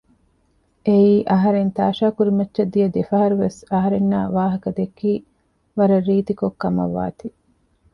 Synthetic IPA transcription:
ʔeiːʔɐɦɐɾent̪aːʃaːkuɾimɐtːʃɐd̪ːijɐd̪efɐɦɐɾuʋesɐɦɐɾenːa̰ːʋaːɦɐkɐd̪ekːiː | ʋɐɾɐrːiːt̪ikokːɐmɐ̰ʋːa̰ːt̪i

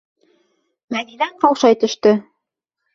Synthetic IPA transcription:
mæðilæɴqɑwʃɑjt̪ɵ̆ʃt̪ɵ

